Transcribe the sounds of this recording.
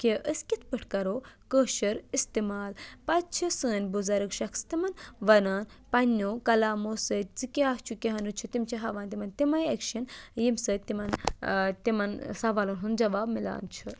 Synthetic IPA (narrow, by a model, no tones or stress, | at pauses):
keʔəskʲit̪ʰpɨʈʰkɐɾoːkəːʃɐɾist̪imaːlpɐt̪̚t͡ʃʰisəːnʲbuzɐɾɨkʃɐkst̪imɐnʋɐnaːn | pɐnːoːkɐlaːmoːsət̪̚ʲzɨkʲaːht͡ʃʰukʲiɦɐnut͡ʃʰut̪imt͡ʃʰiɦɐʋaːnt̪imɐnt̪imɐjekʃɐnjimsəːt̪ːimɐnt̪imɐnsɐʋaːlunɦund͡ʒɐʋaːbmila̰ːnt͡ʃʰɨ